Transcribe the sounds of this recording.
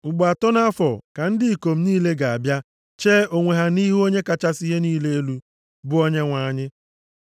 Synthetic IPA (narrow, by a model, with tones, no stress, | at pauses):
ɡ͡ba˨tɔ˦na˦fɔ˨ka˨n̩˦dɪ˦i˨ko˨m̩˦niː˦le˦ɡa˨a˨bja˦ | t͡ʃeː˦o˨ŋʷe˨ɦa˨ni˦ɦu˦o˦ɲe˦ka˨t͡ʃa˦si˦ɦe˦niː˦le˦e˦lu˦ | bʊ˦o˦ɲe˦ŋʷa˨ɲɪ˦